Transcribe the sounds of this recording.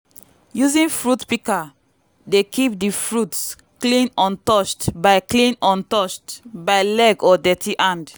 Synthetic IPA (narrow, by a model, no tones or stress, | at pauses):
juzĩnfɹutpika | dekip̚difɹuts | klĩnɔ̃ntɔt͡ʃtbaɪklĩnɔ̃ntɔt͡ʃtbaɪlɛɡɔdɛtʰiʔãnd